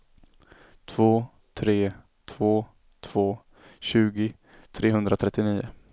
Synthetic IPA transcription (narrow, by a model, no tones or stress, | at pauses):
t̪ʰv̥oː | t̪ʰɾeː | t̪ʰv̥oː | t̪ʰv̥oː | ɕʉ̟ːɡɪ | t̪ʰɾeːɦɵnd̪ɾat̪ʰɾɛt̪ːɪniːʊ̰